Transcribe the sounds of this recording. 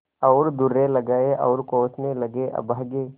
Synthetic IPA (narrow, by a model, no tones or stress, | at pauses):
ɔːɾd̪ʊɾelɐɡaːeʔɔːɾkoːt͡ʃnelɐɡeʔɐ̰baɡeː